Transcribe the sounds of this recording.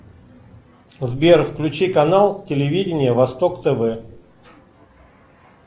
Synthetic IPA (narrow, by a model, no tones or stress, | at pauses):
zbʲerfklʲʉt͡ɕikɐnalˠtʲɪlʲɪvʲidʲɪnʲɪjəvɐst̪okt̪ɛvɛ